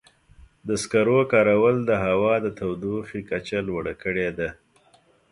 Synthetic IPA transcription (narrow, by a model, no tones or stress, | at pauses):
d̪əskaɾokɑɾawəld̪əɦawɑd̪ət̪awd̪uxikat͡ʃalwəɽakəɽed̪a